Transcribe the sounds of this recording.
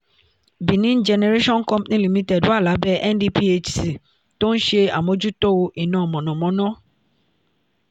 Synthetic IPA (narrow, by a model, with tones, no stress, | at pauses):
bi˨nĩ˦n̩˦d͡ʒɛ˧ne˧ɾe˦ʃɔ̃˦n̩˦kɔ̃˦mpnĩ˦li˨mĩ˧tɛ˦˨du˨˦a˦˨la˨˦bɛ˦ʔɛ˦n˦di˧pi˦e˧d͡ʒsi˨ | to˦n̩˦ʃe˧a̰˨mo˨˧d͡ʒu˦to˦o˧ʔi˨nãː˨ɔ˨mɔ̃˨nɔ̃˨mɔ̃˨˦nã˦